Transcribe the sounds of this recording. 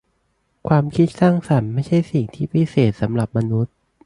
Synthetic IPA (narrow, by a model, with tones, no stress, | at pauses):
kʰwaː˧mkʰi˦˥t̪̚saː˥˩ŋsa˩˦nma˥˩jt͡ɕʰa˥˩jsi˨˩ŋt̪ʰiː˥˩pʰi˦˥seː˨˩t̪̚sa˩˦mɾa˨˩p̚ma˧nu˦˥t̪̚